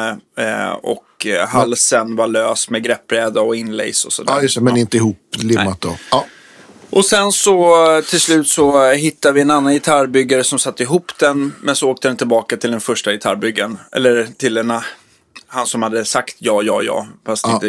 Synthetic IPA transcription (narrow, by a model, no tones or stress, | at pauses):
ɔ̰kɦalsənvaɭøːsmɛɡɾɛpːɾɛːd̪aɔɪnːlɛ̰jsɔsɔ̰d̪æ̰jt̪ɛmɛnɪnt̪əɪhuːplɪːat̪̚d̪ɔ̰ | ʔɔsɛnsɔt̪ʰɪlslʉ̟ːt̪sɔɦɪt̪ːad̪vɪɛnanːanjɪt̪ʰaɾbʏɡːaɾəsɔmsat̪ːəɪɦuːpd̪ɛnmɛnsɔoːk̚t̪əd̪ɛnt̪ʰɪlbɑːkat̪ʰɪld̪ɛnfœʂʈajɪt̪ʰa̰ɾbʏɡːanɛ̰lːəɾt̪ʰɪld̪ɛna | hansɔmhad̪ːəsakt̪ʰjɑːjɑ̰ːjɑ̰ːfast̪ɪnə